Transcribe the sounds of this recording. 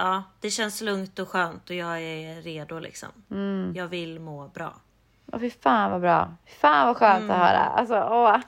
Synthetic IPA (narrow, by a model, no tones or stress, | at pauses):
ʔɑːd̪̥ɛɕɛnslɵŋt̪ɔɧøːnt̪ɔjɑːɛɾeːd̪ʊlʔɪ̰ksɔ̰mjɑːɡvɪlmoːbɾɑ̰ː | ɔ̰fɪfaːnvabɾɑ̰ːfɪfaːnvaɧœːnt̪ɔhœ̰ːɾa̰ʔa̰ls̬ɔɔ